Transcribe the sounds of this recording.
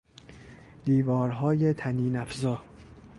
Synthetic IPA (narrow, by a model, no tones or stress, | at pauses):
d̪̥iːvɒːɾɦɒːjet̪ʰæniːnæfzɒː